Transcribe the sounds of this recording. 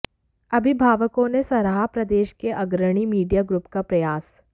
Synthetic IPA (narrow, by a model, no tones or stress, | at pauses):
ɐbʱɪbʱaːʋəkõnesɐɾaɦapɾɐd̪eːʃkeʔɐɡɾəɽ̃imiːɖijaɡɾʊpkapɾɐjaːs